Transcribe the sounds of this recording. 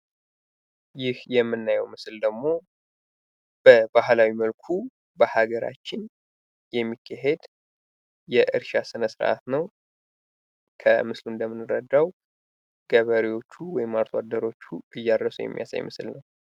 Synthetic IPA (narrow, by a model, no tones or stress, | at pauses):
jɪhjɛmːɨnːajɛwmɨsɨld̪əɡmo̞ | b̥əbahlawiməlkʰu | bəhaɡəɾa̰t͡ʃːɪn | jɛmːikʰːaɦed̪ | jɛʔɨɾʃasɨnəsɨɾʔa̰t̪nəw | kʰə̰mɨslund̪əmːɨnɨɾəd̪ːaw | ɡ̥əβəɾiwo̞t͡ʃːuwɔjɪmːaɾt̪ʰwad̪əɾo̞t͡ʃːuʔɨjːaɾəsujɛ̰mːḭja̰sa̰jmɨsɨlnəw